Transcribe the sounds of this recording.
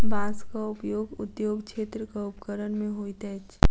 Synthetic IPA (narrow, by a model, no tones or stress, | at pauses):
bãːskaʊpjoːɡʊt̪joːɡkt͡ʃʰeːt̪ɾəkaupkəɾənmẽɦoːit̪ɛt͡ʃʰ